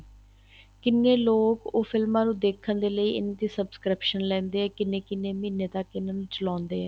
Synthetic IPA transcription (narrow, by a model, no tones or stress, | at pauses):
kɪnːeːloːkoːpʰɪlmãːnũːd̪eːkʰːənd̪eːləiːʔɪ̰nːd̪iːsəbskɾɪpʃənlɛ̃ːnd̪eːɛːkɪnẽːkɪnːeːmiːneːd̪aːkɪnaːnũːt͡ʃəlãːnd̪eːɛː